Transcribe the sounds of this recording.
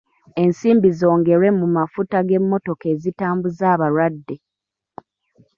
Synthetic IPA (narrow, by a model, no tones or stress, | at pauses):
e̞nsiːmbizo̞ːŋɡe̞ɾe̞mumafutaɡe̞mːo̞to̞ke̞ːzitaːmbuzaːβaɾwadːe̞